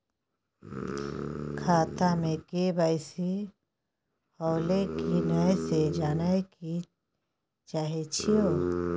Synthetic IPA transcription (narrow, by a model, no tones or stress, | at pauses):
kʰaːt̪amẽkebaɪsi | hɔːlekinajsed͡ʒaːnaki | t͡ʃaːɦet͡ʃʰioː